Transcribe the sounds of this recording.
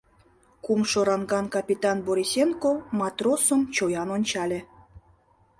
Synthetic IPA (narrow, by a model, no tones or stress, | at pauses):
kumʃoɾɑnɡɑnkɑpʲit̪ɑnboɾʲisʲenkomɑt̪rosə̆mt͡ɕojɑnonʲt͡ɕɑlʲe